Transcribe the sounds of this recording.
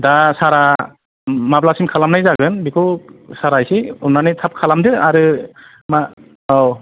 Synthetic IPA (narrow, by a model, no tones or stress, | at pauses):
dasaɾa | mablasimkʰalamnajzaɡɯnbikʰɯwsaɾajsiumnanɯjtʰap̚kʰalamdɯaɾɯ | ma | aw